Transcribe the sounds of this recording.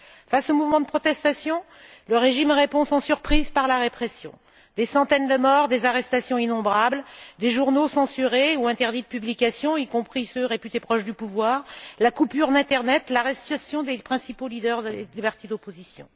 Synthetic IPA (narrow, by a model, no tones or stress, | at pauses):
fasomuvmɑ̃d̪əpχɔt̪ɛst̪asjɔ̃ | ləʁeʒimʁepɔ̃sɑ̃syʁpχizpaʁlaʁepχesjɔ̰̃ | d̪esɑ̃t̪ɛnd̪əmɔʁd̪ezaʁɛst̪asjɔ̃inɔ̃bʁabld̪eʒuʁnosɑ̃syʁeuɛ̃t̪ɛʁd̪it̪̚pyblikʲasjɔ̃ikɔ̃pχisøʁepyt̪epχɔʃd̪ypuvwaːʁlakupyʁd̪ɛ̃t̪ɛʁnɛt̪laʁɛst̪asjɔ̃d̪epχɛ̃sipolid̪œʁd̪əlibɛʁt̪ed̪ɔpozisjɔ̰̃